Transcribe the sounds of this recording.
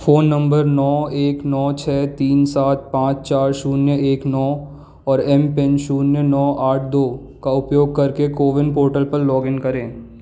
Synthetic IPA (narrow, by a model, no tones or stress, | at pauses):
foːnːɐ̃mbəɾnɔːeːknɔːt͡ʃʰɛːt̪iːnsaːt̪̚pãːt͡ʃt͡ʃaːɾʃuːnjəʔeːknɔː | ɔːɾɛmpɛ̃nʃuːnjənɔːʔaːʈ̚ʰd̪oː | kaʊpjoːɡ̚kɐɾkekoːʋɪnpoːɾʈəlpəɾlɔːɡɪ̃nkɐɾẽː